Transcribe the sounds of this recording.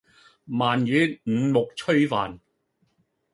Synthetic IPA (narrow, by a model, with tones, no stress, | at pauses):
maː˨˩njyː˨˧˥ŋ̩˨˥mʊ˨k̚t͡ʃʰɵ˥ɥfaː˨˩n